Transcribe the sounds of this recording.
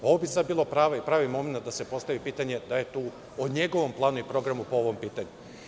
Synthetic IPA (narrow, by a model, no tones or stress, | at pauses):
o̞ʋobisad̪̚biːlˠo̞pɾaːʋapɾaːʋimo̞menat̪̚d̪ase̞po̞st̪aʋipiːt̪aɲe̞d̪aje̞t̪uː | oɲe̞ɡo̞ʋo̞mplˠaːnuipɾo̞ɡɾamupooʋo̞mpiːt̪aɲu